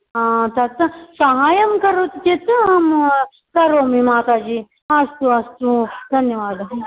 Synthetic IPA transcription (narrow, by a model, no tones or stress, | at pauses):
ɦãːt̪ɐt̪ɨsɐɦaːjɐmkɐɾot̪t̪et̪ɨɦɐm | kɐɾoːmĩmãːk̪ad͡ʒi | ɐst̪uɐst̪ud̪ʱɐnjɐʋaːd̪